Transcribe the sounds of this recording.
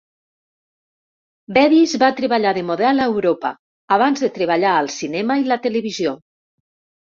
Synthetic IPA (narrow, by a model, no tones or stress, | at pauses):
bɛðizβat̪ɾeβaʎaðemoðɛlawɾopa̰ː | β̞anzðet̪ɾeβ̞aʎaəlˠsinɛmailat̪eleβ̞izjo